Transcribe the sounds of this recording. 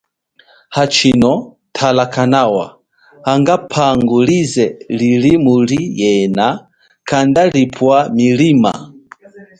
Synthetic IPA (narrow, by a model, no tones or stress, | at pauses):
hat͡ʃʰinɔ | tʰalakʰanawa̰ | haŋɡapʰaŋɡulizɛlilimulijɛna | kʰandalipʰwamilima